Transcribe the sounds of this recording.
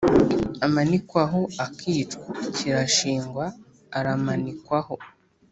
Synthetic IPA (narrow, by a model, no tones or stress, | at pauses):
amanikwaɦoakʰiːt͡ʃkaciɾaʃiːŋɡwaː | ɾamanikwaho̞